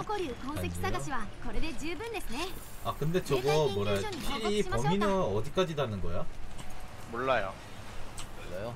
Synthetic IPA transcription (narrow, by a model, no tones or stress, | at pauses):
k͈ʌɾikʌmʰekʰis͈aɡaɕʰiwakʌɾɯded͡ʑɯbɯndesʰɯne | akɯnde̞t͡ɕʌɡʌmwʌɾajd͡ʑipʌminaʌd͡ʑik͈ad͡ʑidanɯnɡʌja | moɭːajo̰ | ajo